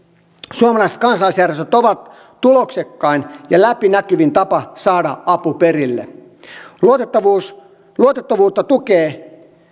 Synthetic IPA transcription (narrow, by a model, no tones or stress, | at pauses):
suomɑlɑˑise̥t̪kɑnsɑlːˑisjærjest̪øt̪oʋɑt̪ː | uloksekːɑinjɑlæpinækyʋint̪ɑpɑsɑːdɑɑpuperilːḛ | luot̪et̪ːɑʋus | luot̪et̪ːɑʋuːt̪ːɑt̪ukeː